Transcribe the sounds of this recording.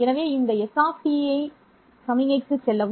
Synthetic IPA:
ɛnɐʋeːɪnd̪ɐɛsaːfʈiɐɪ | sɐmɪŋɐɪk̪ːɯsɛlːɐʋ

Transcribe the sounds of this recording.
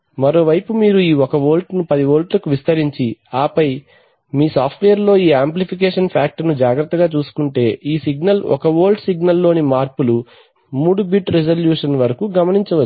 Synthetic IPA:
mɐɾo̞ːʋɐjpumiːɾuiːɔkɐʋo̞ːlʈnupɐd̪iʋo̞ːlʈlɐkuʋist̪ɐɾiɲt͡ʃiaːpɐj | miːsaːpʰʈʋejɐɾlo̞ːiːaːmplipik̬eːʂɐnpʰaːk̚ʈɐnud͡ʒaːɡɾɐt̪ːɐɡaːt͡ʃuːsu̥kuɳʈe̞ːiːsiɡnɐlɔ̰kɐʋo̞ːlʈsiɡnɐlːo̞ːnimaːɾpulu | muːɽubiʈɾed͡ʒɐljuːʂɐnʋɐɾɐkuɡɐmɐniɲt͡ʃɐʋɐt͡ʃːu

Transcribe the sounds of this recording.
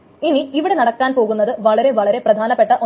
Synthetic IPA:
iniiʋiɽe̞nɐɽɐkːaːnpo̞ːɣunːɐðɨʋɐɭɐɾe̞ʋɐɭɐɾe̞prɐd̪ʱaːnɐpːe̞ʈːɐʔo

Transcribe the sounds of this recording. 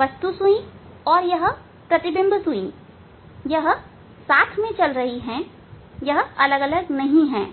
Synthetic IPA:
ʋɐst̪usuĩ | ɔːɾjɐɦ | pɾɐt̪ɪbɪ̃mbsũĩ | jɐɦ | saːt̪ʰmẽt͡ʃɐlɾɐɦiɦɛ̃ | jɐɦɐləɡələɡnɐɦĩɦɛ̰̃ː

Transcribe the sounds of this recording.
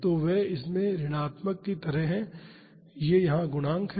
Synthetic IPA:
t̪oʋɛɪsmẽɾɪɽ̃aːt̪məkːit̪ɐɾəɦɛ̃ | jejɐɦãɡʊɽ̃ãːŋkʰ

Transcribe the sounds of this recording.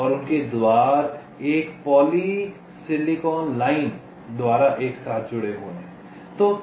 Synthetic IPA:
ɔɾʊnked̪waːɾ | eːkpɔːli | sɪlɪkɔːnlaːɪn | d̪waːɾaʔeːksaːt̪̚ʰd͡ʒʊɽeɦo̰ːneɦɛ̃ | t̪o

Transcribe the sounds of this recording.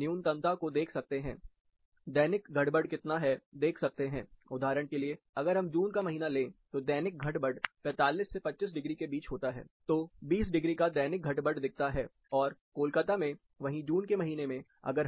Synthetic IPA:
njuːnt̪ɐ̃nt̪akod̪eːkʰsɐk̚t̪eɦɛ̰̃ː | d̪ɛːnɪkɡʱɐʈbəɖkɪt̪naɦɛd̪eːkʰsɐk̚t̪eɦɛ̃ːʊd̪ʱaːɾəɽ̃kelie | ɐɡəɾɦɐmd͡ʒuːnkamɐɦiːnalẽːt̪od̪ɛːnɪk̚ɡʱɐʈbəɖpɛ̃ːt̪aːliːsːepɐtːʃɪs̬ɖɪɡɾikebiːt͡ʃɦoːt̪aɦɛ̰ːt̪oːbiːs̬ɖɪɡɾikad̪ɛːnɪk̚ɡʱɐʈbəɖd̪ɪk̚ʰt̪aɦɛː | ɔːɾkoːlkət̪amẽ | ʋɐɦĩd͡ʒuːnkemɐɦiːnemẽ | ɐ̰ɡəɾ

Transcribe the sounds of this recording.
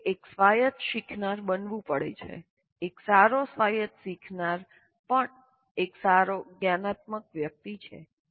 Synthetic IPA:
eksʋajət̪ʃikʰnaɾbənʋũpəɽḛt͡ʃʰḛ | eksaɾosʋajət̪sikʰnaɾ | pəɳ | eksaɾoɡjanat̪̚məkʋjək̚t̪it͡ʃʰḛ

